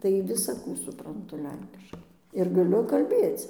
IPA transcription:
tɐɪ ʋʲɪsɐˈkuː sʊprɐnˈtʊ ˈlʲɛŋʲkʲɪʃkɐɪ ɪr ɡɐˈlʲʊ kɐlʲˈbʲeːt͡s

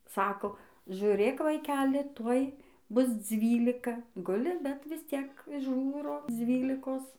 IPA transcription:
ˈsɑːkoː ʒʲʊˈrʲeːk ʋɐɪˈkʲæːlʲɪ ˈtuɔj ˈbʊs ˈd͡zʲʋʲiːlʲɪkɐ ˈɡʊlʲɪ bʲɛt ʋʲɪsʲˈt͡sʲiɛk ˈʒuːroː ˈd͡zʲʋʲiːlʲɪkoːs

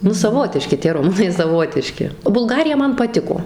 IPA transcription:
ˈnʊ sɐˈʋoːtʲɪʃʲkʲɪ tʲiɛ rʊˈmʊnɐɪ sɐˈʋoːtʲɪʃʲkʲɪ bʊlˠˈɡɑːrʲɪjɛ ˈmɐn pɐˈtʲɪkoː

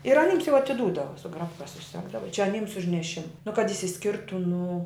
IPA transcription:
ɪr ɐˈnʲiːms jɛʊ ɐtʲɪˈduːdɐʋɐ sʊ ˈɡrɑːpkɐ sʊˈsʲæːɡdɐʋɐ t͡ʃʲɛ ɐˈnʲiːms ʊʃ nʲɛˈʃʲɪmɐ nʊ kɐt ɪʃʲsʲɪˈsʲkʲɪrtʊ nʊ

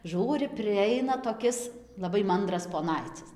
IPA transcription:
ˈʒuːrʲɪ pʲrʲɪˈɐɪnɐ toːˈkʲɪs lˠɐˈbɐɪ ˈmɐndrɐs poːˈnɐɪt͡sʲɪs

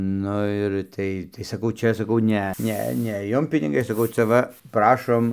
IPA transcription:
ˈnʊ ɪr ˈtɐɪ tɐɪ sɐˈkɐʊ ˈt͡ʃʲɛ sɐˈkɐʊ ˈnʲɛ ˈnʲɛ nʲɛ ˈjʊm pʲɪnʲɪˈɡɐɪ sɐˈkɐʊ t͡sʲɛ ˈʋɐ ˈprɑːʃoːm

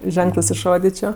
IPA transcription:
ˈʒʲɛŋklˠɜs ɪʃˈroːdʲɪt͡ʃʲoː

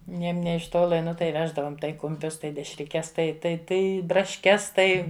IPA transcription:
ˈnʲɛɪm ˈnʲeː ɪʃ ˈtoːlˠɐ ˈnʊ tɐɪ ˈʋʲæːʒdɐʋoːm tɐɪ kʊmʲˈpʲʊs tɐɪ dʲɛʃʲrʲɪˈkʲɛs tɐɪ tɐɪ ˈtɐɪ brɐʃʲˈkʲɛs ˈtɐɪ

